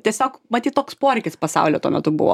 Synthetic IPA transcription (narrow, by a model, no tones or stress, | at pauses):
t̪ʲiɛsʲoːkmɐt̪ʲiːt̪t̪oːkspoːɾʲɛɪkʲɪspɐsɑ̰ʊlʲoːt̪ṵɔmʲɛt̪ʊbʊ̰ʋo̰ː